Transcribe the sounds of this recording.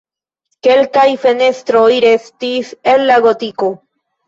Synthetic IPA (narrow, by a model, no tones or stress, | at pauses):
kelkajfenest̪ɾoiɾest̪iselːaɣot̪iko